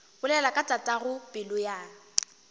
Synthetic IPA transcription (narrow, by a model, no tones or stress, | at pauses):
bʊlɛlakʼatʼatʼaɣʊpʼɪlʊja